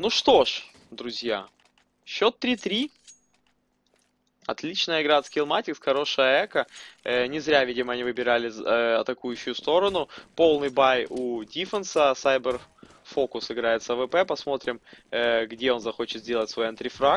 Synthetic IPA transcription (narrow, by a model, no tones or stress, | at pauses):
nuʂt̪o̞ʂ | d̪ɾʊzʲja | ɕːo̞t̪ːɾʲit̪ɾʲi | ɐ̰t̪lʲit͡ɕnəjəɪɡɾat̪skʲɪlˠmatʲɪksxɐɾo̞ʂəjəɛkənʲɪzɾʲavʲidʲɪməɐnʲivɨbʲɪɾalʲɪɐt̪ɐkujʉɕːʊjʊst̪o̞ɾənʊpo̞lˠnɨjbajudʲifənsəsajbər | fo̞kʊsɨɡɾajɪt̪səvəpɛpɐsmo̞t̪ɾʲɪmɡdʲe̞o̞nzɐxo̞t͡ɕɪt̪zʲdʲe̞lˠətʲsvo̞jɐnt̪ʲɾʲɪfɾa